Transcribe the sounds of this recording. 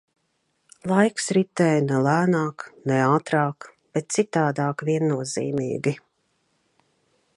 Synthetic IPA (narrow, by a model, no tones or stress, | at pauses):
lˠajksɾit̪ɛːjnɛlæːnaːknɛɑːt̪ɾɑːk | b̥ɛt̪̚t̪sit̪aːd̪aːkvʲiɛnːuɔzḭːmḭːɡi